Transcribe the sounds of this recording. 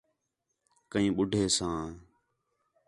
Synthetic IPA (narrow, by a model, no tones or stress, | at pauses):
kəĩːɓʊɖʱeːsãː